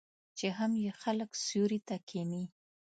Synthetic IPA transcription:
t͡ʃeɦamjexaləksuɾit̪akʰini

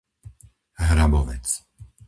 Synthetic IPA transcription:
ɦɾabɔʋɛ̰t͡s

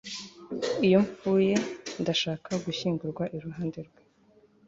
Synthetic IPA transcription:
ijo̞ɱfuːje̞ndaʃaːkʰaɡuçiːŋɡuɾɡwaʔiɾuɦaːnde̞ɾɡwe

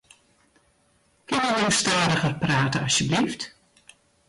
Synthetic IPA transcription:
kɪnjəjəwəstaːɾəɣərpraːtəɑsjəblift

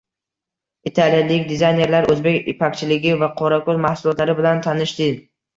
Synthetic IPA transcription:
it̪ʰalijalɪkʲd̪ezajne̞ɾlaɾʔɵzbe̞kʲɪ̰pʰakʲt͡ʃʰɪlɪɡʲɪvaqʰɒɾakoɾmahsʊlˠɒt̪laɾɪbɪlant̪ʰanɪʃd̪ɪ

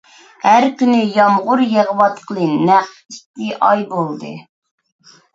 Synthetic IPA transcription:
hæɾkʲynɪjɑmʁʊɾjeʁəwɑt̪qʰəlˠɨnæχfist̪ɪʔɑjbolˠd̪ɨ̰

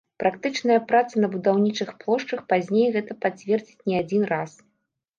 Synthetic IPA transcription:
pɾʔakt̪ɨt͡ʂnɐjɐpɾat̪sɐnɐbud̪awnʲit͡ʂɨxplˠɔʂt͡ʂɐxpazʲnʲejɣɛt̪ɐpat͡sʲvʲɛrd͡zʲit͡sʲnʲiad͡zʲinras

